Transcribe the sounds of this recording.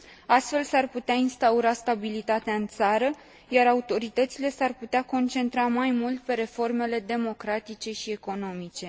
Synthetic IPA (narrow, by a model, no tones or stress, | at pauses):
ast̪fe̞lsarput̪eainst̪auɾast̪abilit̪at̪eaɨnt̪saɾə | jaɾaut̪o̞ɾit̪ət̪sile̞sarput̪eako̞nt͡ʃe̞nt̪ɾamajmult̪̚pe̞ɾe̞fo̞rme̞le̞d̪e̞mo̞kɾat̪it͡ʃe̞ʃie̞ko̞no̞mit͡ʃe̞